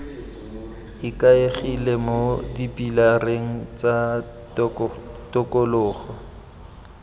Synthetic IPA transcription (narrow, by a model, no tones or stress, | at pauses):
ɪkʼaeχilemodipʼilareŋ̩t͡sʼa | tʼʊkʼolʊːχɔ